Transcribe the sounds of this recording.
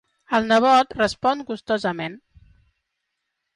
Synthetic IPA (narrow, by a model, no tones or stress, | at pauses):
əlˠnəβ̞ɔt̪rəspɔnɡust̪ozəmen